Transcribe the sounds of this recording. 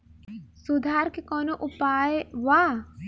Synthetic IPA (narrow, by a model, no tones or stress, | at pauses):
sʊd̪ʱaːɾkekɔːnoʔʊpaːeʋaː